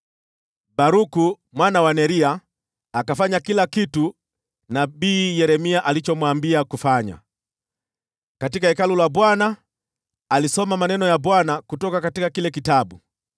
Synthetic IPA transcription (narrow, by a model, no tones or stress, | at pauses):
baɾuku | mwanawanɛɾiaː | kafaɲakilakitu | nabiːjɛɾɛmiaʔalit͡ʃɔmwambiakufaɲa̰ | katikaɛkalulabwanaː | lisɔmamanɛnɔjabwanakutɔkakatikakilɛkitabu